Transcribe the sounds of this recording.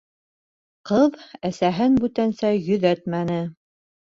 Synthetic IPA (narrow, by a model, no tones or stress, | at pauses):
qɤðæsæɦɘnbʉt̪ænsæjɵ̆ðæt̪mænɘ